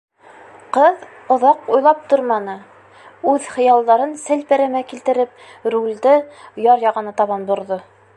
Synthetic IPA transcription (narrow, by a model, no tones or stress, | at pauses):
qɤð | ŏðɑqujlˠɑp̚t̪oɾmɑnɤ | ʉðχɤ̆jɑlˠd̪ɑɾɤnsɘlpæ̆ɾæmækilt̪ɘ̆ɾɘp̚ɾulʲd̪ɘjɑɾjɑʁɑ̆nɤt̪ɑβɑnbŏɾðo